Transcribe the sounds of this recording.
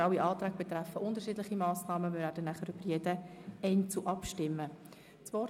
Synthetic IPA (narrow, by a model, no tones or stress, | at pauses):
awiʔɑːt̪ɾæːɡ̚b̥et̪ɾæfəʔʊndəɾʃiːdlɪχimɑːsnɑːməvɪɾæːd̥ənːæχəɾybəɾjɛd̥əɛɪnt͡suʔɑpʃtɪmːə | t͡svɔ